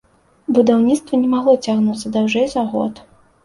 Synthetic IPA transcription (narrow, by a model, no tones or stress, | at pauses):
bud̪awnʲit̪st̪vɐnʲɛmaɣlˠɔt͡sʲaɣnut̪sːɐd̪awʐɛjzaɣɔ̰t̪